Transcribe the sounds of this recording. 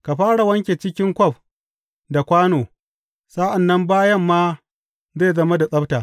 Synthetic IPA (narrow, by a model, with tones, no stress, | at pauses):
ka˨ɸaː˦ɽa˨wɐ˦ŋkʲe˨t͡ʃɪ˦kʲɪ˦ŋkʷɔ˦˨ɸ̚ | da˨kʷaː˦noː˨ | sa˦ʔa˨nːɐ˦mbaː˦jɐ˦mːaː˦ | zeː˦˨zɐ˦ma˦da˨sʼɐ˦btaː˨